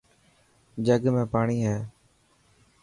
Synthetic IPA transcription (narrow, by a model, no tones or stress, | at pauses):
d͡ʒəɡmẽːpaːɳiːɦɛː